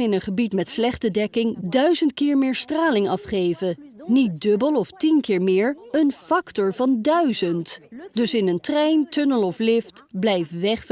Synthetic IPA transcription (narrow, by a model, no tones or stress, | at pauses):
ɪnənχəbitmɛtslɛχtədɛkɪŋdœɥzəntkɪːɹmɪːɹstraːlɪŋɑfχejvənit̚dɵbəlˠɔftinkɪːɹmɪːɹənfɑktɔɹvɑndœɥzəntd̥ɵsɪnəntrɛjntɵnəlˠɔflɪftblɛjfʋɛχf